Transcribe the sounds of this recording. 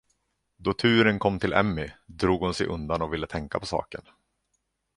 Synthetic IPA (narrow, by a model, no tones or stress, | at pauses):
d̪ɔt̪ʰʉ̟ːɾənkʰɔmːt̪ʰɪlʔɛ̰mːɪd̪ɾuːɡhʊnsɛjʔɵnd̪anɔvɪlːət̪ʰɛŋkapʰɔsɑ̰ːkən